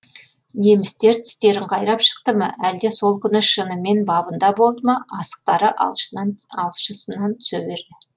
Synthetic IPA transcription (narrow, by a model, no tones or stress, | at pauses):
ne̞mɪst̪e̞ɾt̪ʰɪ̥st̪e̞ɾɪɴqʰɑjɾɑpʃə̥q̚t̪əmə̰ʔæld̪e̞so̞lˠkʲʰʏnɪʃənəme̞nbɑbənd̪ɑbo̞lˠd̪əmɑɑsə̥q̚t̪ɑɾəʔ | ɑlˠʃəsənɑnt̪ʰʏ̥sebe̞ɾd̪ɪ